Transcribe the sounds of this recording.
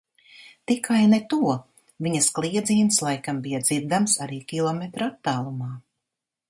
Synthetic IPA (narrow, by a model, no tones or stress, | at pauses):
t̪ikajnɛt̪uɔ | viɲɐsklˠiɛd̪ziːnslˠajkambijad̪ziɾd̪amsaɾiːkʲilˠɔmet̪ɾat̪ːaːlˠumaː